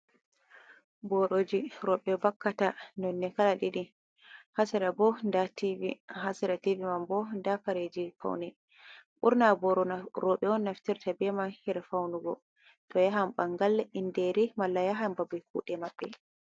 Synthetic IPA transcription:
bɔɾod͡ʒiɾɔɓɛbakːatanɔnːɛkalaɗiɗi | hasɛɾabɔndativihasɛɾativimambɔndafaɾed͡ʒifa̰wnɛ | ɓuɾnabɔɾɔɾɔɓɛɔnːaftiɾtabɛmanhɛɾfawnuɡɔ̰ | tɔjaɦambaŋɡalindɛɾimalːajaɦambabɛkuɗɛmaɓːɛ

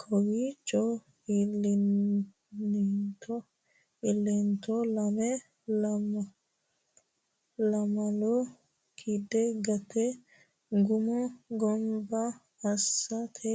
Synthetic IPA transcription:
kʰɔwit͡ʃʼɔ | ɪlɪ | nt̪ʰɔ | ɪlːɛnt̪ɔlɐmɛ | lm | lɐmɐlɔ | kʰid̪ɛɡɐt̪ɛ | ɡʊmɔɡɔmbɐː | sːɐt̪ʰɛ

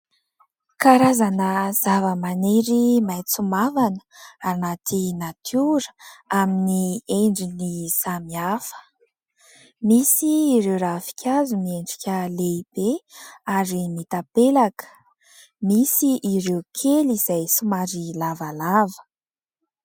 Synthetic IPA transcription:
kaɾazanəz̥avəmaneɾimajt͡sumavanə̥anat̪ʰinat̪ʰjuɾə̥aminieɳɖ͡ʐiniz̥amiafə̥ | misiːɾewɾafi̥kʲazumieɳɖ͡ʐikʲəleib̥eaɾimit̪apelakə̥ | misiʔːɾewkʰeliz̥ajsumaɾilavalavə̥

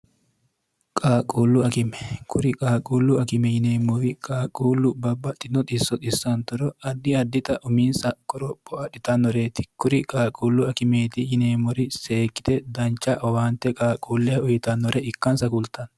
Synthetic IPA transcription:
kʼaːkʼuːlːʊɐkɪmɛ̥kʰʊɾɪkʼaːkʼuːlːʊɐkɪmɛjɪneːmːɔwɪkʼaːkʼuːlːʊbɐbːɐt̪ʼːɪnɔt̪ʼɪsːɔt̪ʼɪsːɐnt̪ɔɾɔɐd̪ːɪɐd̪ːɪt̪ɐʔʊminsɐkʼɔɾɔpʼːɔɐᶑɪt̪ɐnːɔɾeːt̪ɪ̥kʊɾɪkʼaːkʼuːlːʊɐkɪme̞ːt̪ɪjɪneːmːɔɾɪseːkʼːɪ̥t̪ɛd̪ɐnt͡ʃːɐʔɐwaːnt̪ɛkʼaːkʼuːlːɛɐʊjɪt̪ɐnːɔɾɛɪkːɐnsɐkʊlt̪ɐn

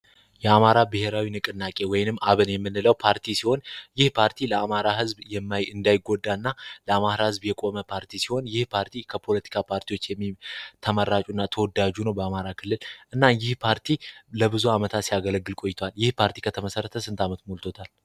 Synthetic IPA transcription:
jɛamaɾabɨhe̞ɾawinɨkʼɨnːakʼe̞wɔjnɨmːaβɨnjɛmːɨnːɨləwpʰaɾt̪ʰisiho̞njɪhpʰaɾt̪ʰiləamaɾaɦɨzbjɛmːaɨnd̪ajɪɡːo̞d̪ːanːaləamaɾahɨzbjɛkʼo̞məpʰaɾt̪ʰisiho̞njɪhpʰaɾt̪ʰikʰəpʰo̞lət̪ʰi̥kʰapʰaɾt̪ʰiwo̞t͡ʃːjɛmːit̪ʰəməɾat͡ʃʼunːat̪ʰəwɔd̪ad͡ʒunəwbəamaɾakʰɨlːɨlʔɨnːajɪhpʰaɾt̪ʰiləbɨzuamət̪ʰat̪sijaɡələɡːɨlkʼo̞jːɪt̪ʰoaljɪhpʰaɾt̪ʰi̥kʰət̪ʰəməsəɾːət̪ʰəsɨnt̪ʰamət̪molt̪ʰo̞t̪ʰal

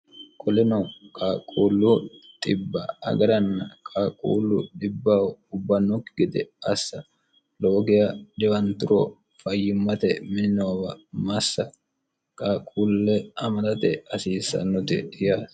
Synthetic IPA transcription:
kʼɔlɪnɐkʼaːkʼuːlːut̪ʼɪbːɐɐ̰ɡɐɾɐnːɐkʼaːkʼːṵːlːʊɗɪbːaːwʊbːɐnːʊkːɪɡɪd̪ɛɐsːɐ | loːɡɪjɐdɪwɐnt̪ʊɾo | fɐjːɪmːɐt̪ɛmɪnnoːbɐmɐsːɐ | kʼaːkʼuːlːɛɐmɐlɐt̪ɛɐsiːsːɐ̰nːʊt̪ɪ̰ɪjaːs

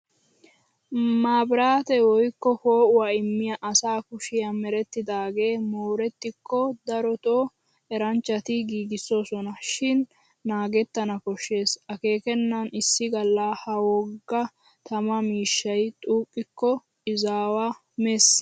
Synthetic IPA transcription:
maːbɾaːt̪ɛwɔjkːɔhoːʔʊwaɪmːɪjɐʔɐsaːkʊʃɪjɐmɛɾɛt̪ːɪd̪aːɡe̞ːmoːɾɛt̪ːɪkːɔd̪ɐɾɔt̪oː | ɛɾɐnt͡ʃːɐt̪ɪɡiːɡɪsːo̞ːsɔnɐʃɪnː | aːɡɛt̪ːɐnɐkɔʃːe̞ːsɐke̞ːkɛnːɐnɪsːɪɡɐlːaːhɐwɔɡːɐ | t̪ɐmɐmiːʃːɐjt̪ʼuːkʼːɪkːɔ | ɪzaːwɐ | ʊmeːs

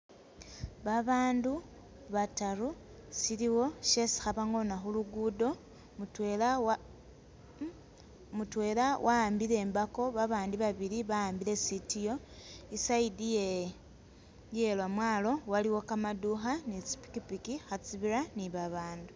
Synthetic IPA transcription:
βaβaːndu | βataɾu | siliwo̞ʃe̞si̥xaβaŋo̞naxuluɡudo̞ | mutel | mutwe̞ːlawʔaːmbiɾe̞ːmbakoβaβaːndiβaβiɾiβaaːmbiɾe̞sitijo̞isaidie | jelwamwaːlo̞waliwo̞kamaduxanit͡si̥pi̥kipikixat͡siβiɾaniβaβaːndu

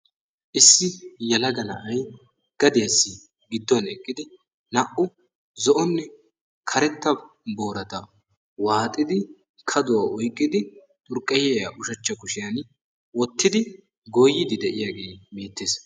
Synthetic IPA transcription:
ʔɪsːɪjɐlɐɡɐnɐ̰ʔɐj | ɡ̥ɐd̪eɐsːɪ | ɡɪd̪ːɔnɛkʼːɪd̪ɪ | nɐʔʊ | zɔʔɔnːɛ | kʰɐɾɛt̪ːɐ | bo̞ːɾɐt̪ɐ | waːt̪ʼːɪd̪ɪ | kʰɐd̪ʊwaʔɔjkʼːɪd̪ɪ | t̪ʼʊɾkʼːɐjɛjɐʔʊʃɐt͡ʃːɐkʊʃɪjɐn | wɔt̪ːɪd̪ɪ | ɡojːɪd̪ɪd̪ɛʔɪjaːɡeːbe̞ːt̪ːeːs

